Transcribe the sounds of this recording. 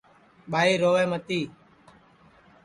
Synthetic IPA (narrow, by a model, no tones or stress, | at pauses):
ɓaːiːɾoːʋeːmət̪iː